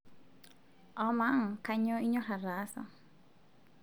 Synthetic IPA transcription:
ɔmaŋka˧ɲo˦i˦ɲo˦ɾa˨rasa̰

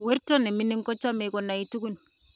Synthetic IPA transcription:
we˦ɾtɔ˦ne˨mi˦ni˦ŋkɔ˦t͡ʃːa˦me˨ko˨na˨i˨tu˦ɡu˦n

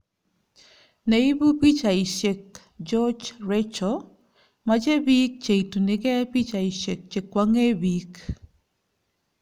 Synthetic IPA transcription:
nei˦bu˦pi˦t͡ʃa˨ɪ˨ʃɛ˨k | d͡ʒɔ˦d͡ʒɾɛt͡ʃɔ | mad͡ʒe˦bi˦k̚t͡ʃe˨i˨tu˨nɪ˨ɡɛ˦pi˦t͡ʃa˨i˨ʃe˨k̚t͡ʃe˨kːwa˦ŋe˦bik

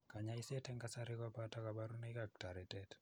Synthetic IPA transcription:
ka˨ɲaɪsɛ˦tɛ˦ŋɡasa˦ɾɪ˦kɔ˦pata˦ka˨ba˦ɾu˦nikak̚ta˨ɾɛ˨tɛt

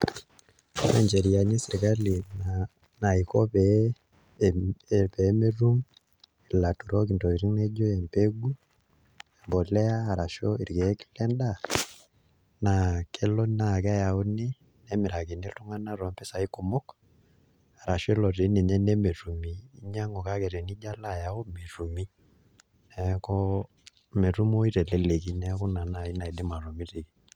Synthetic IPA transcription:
na˦ɲd͡ʒɛ˨ɾi˨a˨ɲi˦si˨ɾika˦li˨ | na˨i˨kɔ˦pɛ | pɛ˨˦me˦ɾu˦ŋ | i˨la˨tu˨ɾɔ˦k̬i˨ntɔ˨i˨ɾi˦ŋnɛ˦d͡ʒɔ˦ɛ˨mpe˦ɡu˦ | ɛ˨mbɔ˨lɛ˦a˦a˨ɾa˨ʃɔ˦i˨ɾɡɛ˨˦ki̥˦lɛ˦nda˦˨ | na˨kɛ˦lɔ˦na˦˨kɛ˦ja˨u˦ni˦ | nɛ˦mɪ˨ɾa˨ke˨ne˦ltu˦ŋa˦na˦ɾɔ˨˦mpɛ˦sa˨i˦ko˨mɔ˦k | a˨ɾa˨ʃɔ˦e˦lɔ˨ɾe˨˦ne˨ɲɛ˦nɛ˦me˨tu˨miː˨˦ɲa˦ŋɔ˨ka˦kɛ˨ɾɛ˨ni˦d͡ʒa˦la˦˨ja˨o˦me˨ɾu˨mi˦ | nɛ˦kɔ˦ | me˨ɾu˦mo˦i˦ɾɛ˨lɛ˦le˨k̬i˦nɛ˦kɔ˦na˨na˨i˦na˨i˨de˦ma˨ɾɔ˨mi˦ɾe˨ki˦

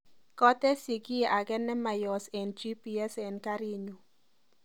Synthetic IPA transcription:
kɔ˦t̪ɛ˦si˨ɡɪ˦e˨ʔa˨ɡɛ˦nɛ˦ma˨jɔ˨sɛ˨nd͡ʒi˦pi˨ɛ˦sɛ˨nka˦ɾi˦ɲu˨

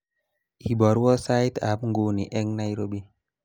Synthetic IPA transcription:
i˨bɔ˨˦ɾwɔ˦sa˦jt̪a̰˨˦pŋɡo˨ni˨ʔɛ˦ŋna˦jɾo˦bi˦

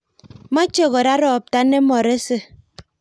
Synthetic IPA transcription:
ma˦t͡ʃe˦˨ɣo˨ɾa˦ɾɔ˨p̚ta˦ne˦mɔ˨ɾe˦se˦

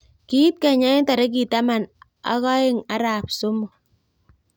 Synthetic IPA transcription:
ki˦t̚ka˨ɲa˦ta˨ɾe˦k̬i˨ta˦ma˨n | a̰˦kɔ˦ɪ˦ŋa˦ɾa˨p̚sʊ˦mʊ˨

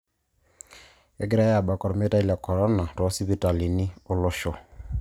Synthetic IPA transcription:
ɛ˦ɡi˦ɾa˦ja˨ba˨kɔ˨ɾɔ˨me˦ta˦i˦la˨kɔ˨ɾɔ˦na˨tɔ˨ɔ˦si˦βi˦ta˨li˨ni˦o˦lɔ˦ʃɔ˨

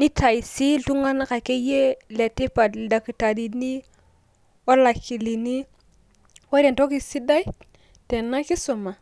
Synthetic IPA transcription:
ni˦ta˨i˨si˦tu˦ŋa˦n˦ka˨ke˦je˦le˨ti˦pa˨dda˨ki˨ta˨di˨ni˦ | wa˦la˨ki˨li˨ni˦ | wa˦ɾe˨nto˦ki˨si˦da˦i˦ | te˨nːa˦ki˦so˨ma˨

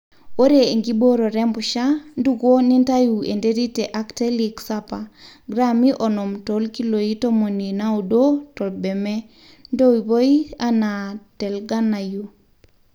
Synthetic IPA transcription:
o˦ɾee˨ŋɡi˦bo˦ɾo˨ɾɛ˦mbuʃa˦ndu˦ɡo˦ni˦nta˦jue˨ndeɾi˦te˨ʔakteliksapaɡɾami˦ʔonɔmto˦lki˦lo˨i˦to˦mo˨nina˦u˨do˦tɔ˨lbe˨me˦ | ndo˦i˨βo˦i˦anatɛ˨lɡa˦na˨ju

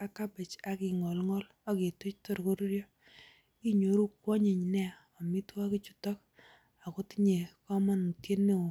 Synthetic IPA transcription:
a˦ka˦be˨t͡ʃa˨kɪ˨ŋɔ˨lŋɔ˦l | ɔ˦ki˨tʊ˦t͡ʃto˦ɾko˦ɾɾjɔ˦ | i˦ɲo˨ɾu˦kwɔ˦ɲe˨ɲnɛ˦˨ | ɔ˨mi˦twa˦ki˦t͡ʃu˨tɔ˦k̚ | a˨kʊ˦tɲe˨kɔ˦ma˦nu˨tje˦nːe˦o˨

